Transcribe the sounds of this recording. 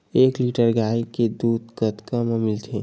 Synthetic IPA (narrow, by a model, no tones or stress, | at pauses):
ekliʈəɾɡajked̪ud̪kət̪kəmmilt̪ʰe